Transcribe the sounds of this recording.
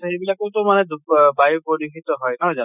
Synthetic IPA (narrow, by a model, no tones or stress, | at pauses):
ejbilakotʊmanɛdubajupɔdixit̪ɔɦɔjkaɹɛza